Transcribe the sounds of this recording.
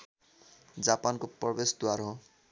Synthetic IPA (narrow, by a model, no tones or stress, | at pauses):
d͡zapankoprʌbesd̪waɾo